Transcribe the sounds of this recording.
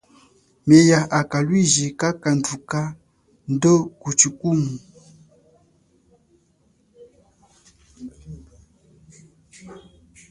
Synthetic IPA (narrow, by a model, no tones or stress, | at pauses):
mejaʔakalwiʒekakanduka | ndokut͡ʃukumu